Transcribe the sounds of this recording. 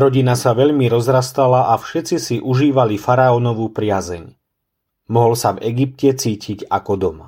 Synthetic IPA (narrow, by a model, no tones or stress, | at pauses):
ɾɔɟinasaʋɛʎmiɾɔzɾast̪alaʔafʃɛt͡sisiʔuʒiːʋalifaɾaɔnɔʋuːpɾɪazɛ̰ɲ | mɔɦɔlsavɛɡip̚cɛt͡siːciɟa̰kɔd̪ɔma̰